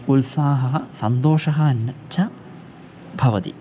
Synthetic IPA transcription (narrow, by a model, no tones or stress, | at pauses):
ulsaːɦɐɦɐsɐnd̪oːʂɐɦɐɐnːɐt͡ʃʰɐ | bʱɐʋɐt̪ḭ